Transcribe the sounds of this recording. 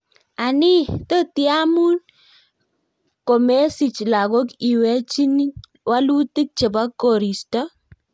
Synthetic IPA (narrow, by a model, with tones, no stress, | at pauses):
a˨ni˦to˦ti˦a˦mu˦n | ko˨me˦si˨t͡ʃla˨ɡo˦ki˨we˦t͡ʃi˦ni˦ | wa˦lu˦ti˦k̚t͡ʃe˨ba˦kːo˨ɾi˨stɔ˦